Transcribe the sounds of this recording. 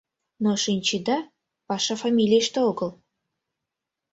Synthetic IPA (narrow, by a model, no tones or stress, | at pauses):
noʃinʲt͡ɕid̪ɑ | pɑʃɑfɑmʲilʲijʃt̪eoɡəl